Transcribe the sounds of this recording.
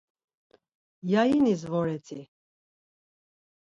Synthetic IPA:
jajinizvɔɾɛt͡s̪ʰi

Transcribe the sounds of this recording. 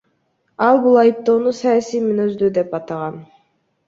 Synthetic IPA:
ɑlˠbulˠɑjɯp̚t̪o̞ːnusɑjasijmynøzd̪yd̪e̞pɑt̪ɑʁɑn

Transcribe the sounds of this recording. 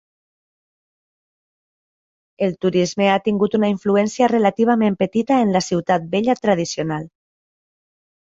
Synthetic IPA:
elt̪uɾizmeat̪iŋɡut̪unaiɱfluɛnsiarelat̪iβ̞amẽmpət̪it̪aenlasiwt̪at̪̚beʎat̪ɾað̞isional

